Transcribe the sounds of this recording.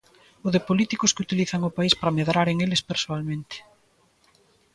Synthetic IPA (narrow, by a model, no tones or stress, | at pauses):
ʊðɪpolit̪ikʊskɪut̪iliθaŋʊpaispɾɐmeðɾaɾeŋelespeɾsoalmẽnt̪ɪ̥